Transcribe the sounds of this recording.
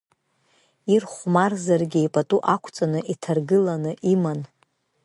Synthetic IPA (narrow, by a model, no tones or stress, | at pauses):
irχʷmarzarɡʲejpʼatʼuʔakʷʰt͡sʼanɨʔitʰarɡɨlanɨʔiman